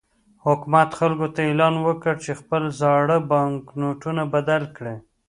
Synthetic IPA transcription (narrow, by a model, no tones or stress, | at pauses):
hʊkmat̪xalɡot̪aelɑnwəkəɽt͡ʃexpəlzɑɽəbɑŋknoʈunabad̪alkɽe